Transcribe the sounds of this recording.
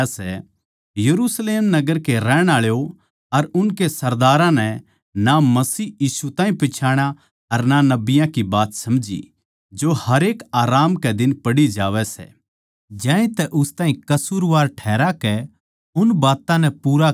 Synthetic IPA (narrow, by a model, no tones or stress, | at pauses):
sɛ | jɐɾusleːmnɐɡəɾkeɾɛːɽ̃aːɭjo | ɐɾʊnkesɐɾd̪aːɾãnɛ | namɐsiːjiːsut̪ãːĩpɪt͡ʃʰaːɽ̃a | ɐɾnanɐbɪjãkibaːt̪sɐmd͡ʒḭ | d͡ʒohɐɾeːkaːɾaːmkɛd̪ɪnpɐɽid͡ʒaːʋɛsɛ̰ | d͡ʒãːẽt̪ɛʔʊst̪ãːɦĩkɐsuːɾʋaːɾʈʰɛːɾakɛ | ʊnbaːt̪ãnɛpuːɾa